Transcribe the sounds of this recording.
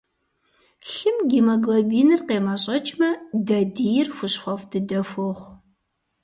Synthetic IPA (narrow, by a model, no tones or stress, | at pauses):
ɬɨmɡʲimɐɡlɐbiːnɨrqeːmaɕʼɐt͡ʃʼmɐdɐdijɪrxʷʊɕxʷɐfdɨdɐfoʁʷ